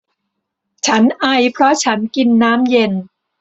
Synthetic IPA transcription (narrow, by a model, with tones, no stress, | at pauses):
t͡ɕʰa˦˥nʔa˧˩jpʰɾɔ˦˥t͡ɕʰa˦˥nki˧nːaː˦˥mje˧n